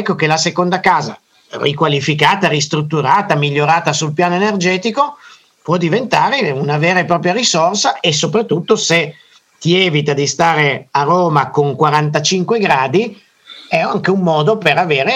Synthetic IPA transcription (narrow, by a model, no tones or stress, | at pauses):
ɛkːok̟elasekond̪akaːza̰ | rikwalifikaːt̪aɾist̪ɾut̪ːuɾaːt̪amiʎːoɾaːt̪asulpjaːnoenerd͡ʒɛːt̪iko | pwɔd̪ivent̪aːɾeunaveːɾepɾɔːpɾjaɾisorsaes̬ːopɾat̪ːut̪ːose | t̪iɛːvit̪ad̪ist̪aːɾearoːmakoŋkwaɾant̪at͡ʃiŋkweɡɾaːd̪i | ɛaŋkeumːɔːd̪opeɾaveːɾe